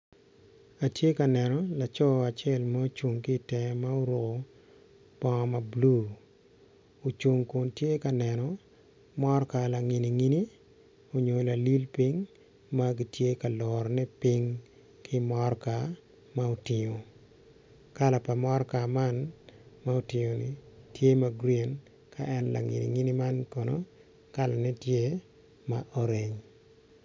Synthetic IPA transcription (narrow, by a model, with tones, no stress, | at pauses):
a˨tje˦ka˨nɛ˨nɔ˨la˨t͡ʃɔ˦a˨t͡ʃɛ˦˨lma˦o˦t͡ʃu˨ŋki˦˨tɛ˨ma˦o˦ɾo˨ko˨ | pɔ˦ŋ˦ma˨blu˦ | o˨t͡ʃu˨ŋku˨ntje˦ka˨nɛ˨nɔ˨ | mɔ˦ɾka˨la˨ŋi˨ni˨ŋi˦ni˦ | o˨ɲo˨la˨li˦lpi˦ŋ | ma˦ɡi˨tje˦ka˨lɔɾnɛ˦pi˦ŋ | kʰɪ˦mɔ˦ɾka˨ | ma˦o˨tɪ˨ɲo˨ | ka˦la˨pa˨mɔ˦ɾka˨ma˦nma˦o˨tɪ˨ɲo˨nɪ˨tje˦ma˦ɡɾe˨n | kʰa̰˨ʔɛ˦nla̰˨ŋḭ˨nḭ˨ŋi˦ni˦ma˦nko˨no˦ | ka˦la˨nɛ˦tje˦ | maʔo˦ɾe˨ɲ